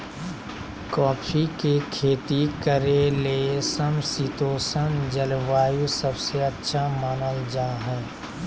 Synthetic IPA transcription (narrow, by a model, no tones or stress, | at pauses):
kɔːpʰikekʰeːt̪ikəɾelesəmsit̪oːsənd͡ʒəlʋaːjusəbseətːʃʰamaːnəld͡ʒaːɦɛː